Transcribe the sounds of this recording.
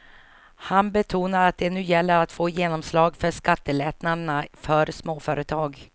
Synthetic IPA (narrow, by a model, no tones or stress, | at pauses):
hanbɛt̪ʰuːnaɾat̪̚d̪ɛnʉ̟ːjɛlːəɾat̪foːjeːnɔmslɑːɡfœʂkat̪ːəlɛːt̪nad̪ənafœɾsmoːfœːɾət̪ʰɑːɡ